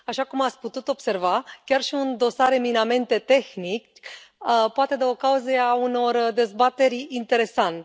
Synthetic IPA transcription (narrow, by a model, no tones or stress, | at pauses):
aʃakumat̪sʲput̪ut̪o̞b̥se̞rvakʲarʃiund̪o̞saɾe̞miname̞nt̪e̞t̪e̞xnikʲ | poat̪e̞d̪eo̞kauzeauno̞rd̪e̞zbat̪e̞ɾʲint̪e̞ɾe̞sant̪